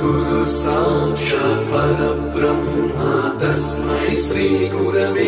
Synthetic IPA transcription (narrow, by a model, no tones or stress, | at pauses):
ɡuɾusaːʂɐpɐlɐbɾɐm | at̪ɐsmɐɦiʃɾiːɡuɾɐʋe